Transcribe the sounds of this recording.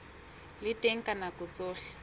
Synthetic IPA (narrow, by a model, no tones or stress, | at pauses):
lɪtʼeŋ̩kʼanakʊt͡soːɬɛ̥